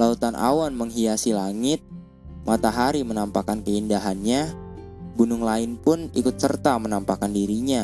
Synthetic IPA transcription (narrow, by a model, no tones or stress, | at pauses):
laut̪anʔa̰wanməŋɦiasilaŋɪt̪̚ | mat̪aɦaɾimənampakankəindaɦanɲa | bunʊŋlaɪnpʊnikʊt̪̚sərt̪amənampakandiɾiɲa